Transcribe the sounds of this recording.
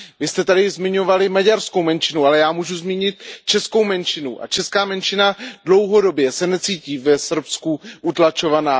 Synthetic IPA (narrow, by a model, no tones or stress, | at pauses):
vɪst̪ɛt̪adɪzmɪɲo̞valɪmaɟaɾskowmɛnt͡ʃɪnualɛjaːmuːʒuzmiːɲɪt̪̚t͡ʃɛsko̞wmɛnt͡ʃɪnuʔa̰t͡ʃɛskaːmɛnʃɪnadlo̞wɦo̞do̞bjɛsɛnɛt͡siːciːvɛsr̩pskuʔut̪lat͡ʃo̞vanaː